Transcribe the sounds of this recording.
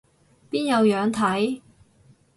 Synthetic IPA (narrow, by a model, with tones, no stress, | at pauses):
piː˥njɐ˨˧wjœː˨˧ŋt̪ʰɐ˨˥j